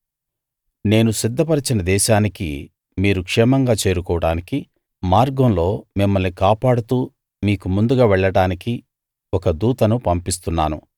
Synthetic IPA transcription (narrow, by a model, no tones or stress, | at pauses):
ne̞ːnusid̪ʱːɐpɐɾɐt͡ʃinɐd̪ɛːʃaːnikḭ | miːɾukʂɛːmɐŋɡaːt͡ʃe̞ːɾukɔːʋɐɽaːniki | maːɾɡɐmlo̞ːmimːɐlnikaːpaːɽut̪uː | miːkumund̪uɡaːʋɛɭːɐɽaːniki | ɔkɐd̪uːt̪ɐnupɐmpist̪unːaːnṵ